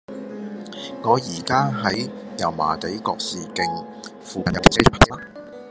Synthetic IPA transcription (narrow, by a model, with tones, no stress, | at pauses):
ŋɔː˨˧jiː˨˩kaː˥ɦɐ˨˥jjɐ˨˩wma̰ː˨˩t̪e˨˥jkɔː˧k̚siː˨kɪ˨˧ŋ | fuː˨kɐ˨njɐ˧wt̪ʰi˨˩se˥t͡ʃʰpʰa˥˩˥la˥